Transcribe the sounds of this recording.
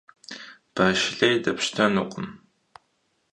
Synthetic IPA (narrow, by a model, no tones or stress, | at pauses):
b̥aːʃɪɬɐjdɐpɕtʰɐnuqʷəm